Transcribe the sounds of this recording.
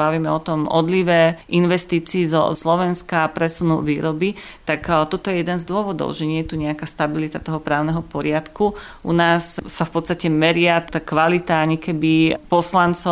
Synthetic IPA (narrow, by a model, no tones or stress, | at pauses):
baʋimɛɔt̪ɔmɔd̪liʋɛːʔinʋɛst̪iːt͡siːzɔ̰slɔʋɛnskaːpɾɛsunṵʋiːɾɔbit̪akt̪ɔt̪ɔjɛjɛd̪ɛnzd̪ʊɔʋɔd̪ɔ̰ʊʒɛɲɪɛjɛt̪uɲɛakaːst̪abilit̪at̪ɔɦɔpɾaːʊnɛɦɔpɔɾɪat̪ku | ʔṵnaːsːafpɔt̪st̪acɛmɛɾɪat̪akʋalit̪aaɲikɛbipɔslant͡sɔ